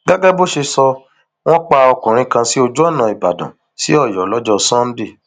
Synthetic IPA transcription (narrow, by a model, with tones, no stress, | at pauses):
ɡa˦ɡɛ˦bo˦ʃe˧sɔ˧ | w̃ɔ̃˦k͡pa˧ɔ˧kũ˨ɾ̃ĩ˧kã˧si˦o˧d͡ʒu˦ɔ˦˨nã˨i˨ba̰˨dã̰˨ | sḭ˦ɔ˦˨jɔ˨˦lɔ˨˦d͡ʒɔ˧sã˦n̩˦di˦˨